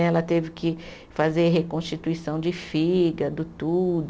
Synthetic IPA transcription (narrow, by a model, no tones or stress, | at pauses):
ɛlɐt̪evɪkɪ | fazeɾɦekõʃt͡ʃit̪uisɐ̃w̃d͡ʒɪfiɡɐd̪ʊt̪ud̪